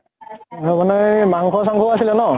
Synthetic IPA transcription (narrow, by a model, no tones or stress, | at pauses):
manɛmaŋkʰɔs̬aŋkʰɔasilɛnɔ